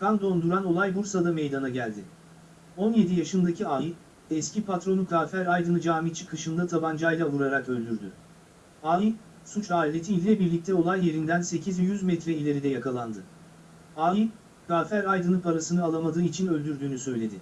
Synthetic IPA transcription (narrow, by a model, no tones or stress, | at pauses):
kʰand̪o̞nd̪uɾano̞lˠajbuɾsad̪ame̞jd̪anaɟælʲd̪ɪ | o̞nje̞d̪ijaʃɯnd̪acʰiaj | ɛscipʰat̪ɾo̞nukʰaːfæɾajd̪ɯnɯd͡ʒaːmit͡ʃʰi̥kʰɯʃɯnd̪at̪ʰaband͡ʒajlˠavɯɾaɾakø̞lʲd̪yɾd̪y̰ | aːji | sut͡ʃaːilʲe̞t̪ʰiːlʲilʲɛbiɾlʲic̚t̪ʰɛo̞lˠajje̞ɾind̪ænse̞cʰizvɛjyzmɛt̪ɾɛilʲe̞ɾid̪ɛjakʰalˠand̪ɯ | aːji | kʰaːfæɾajd̪ɯnɯpʰaɾasɯnɯalˠamad̪ɯːit͡ʃʰinø̞lʲd̪yɾd̪yːnysø̞jlʲe̞d̪ɪ